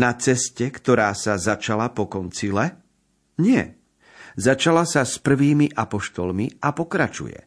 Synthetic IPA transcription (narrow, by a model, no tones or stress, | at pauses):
nat͡sɛscɛkt̪ɔɾaːsazat͡ʃalapɔkɔnt͡silɛ | ɲɪɛ̰ | zat͡ʃalasaspr̩ʋiːmiʔapɔʃt̪ɔlmiapɔkɾat͡ʃṵjɛ̰